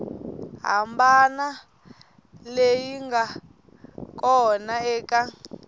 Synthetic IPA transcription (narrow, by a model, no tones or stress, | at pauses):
ɦa̰mbana | lejiŋɡa | kɔnaɛːka